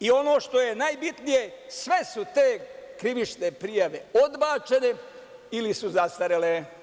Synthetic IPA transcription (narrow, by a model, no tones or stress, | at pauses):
io̞no̞ːʃt̪o̞jenajbit̪nije̞sʋe̞sut̪e̞ːkɾiʋit͡ʃnepɾijaʋe̞o̞d̪baːt͡ʃe̞ne | ilisuzast̪aɾele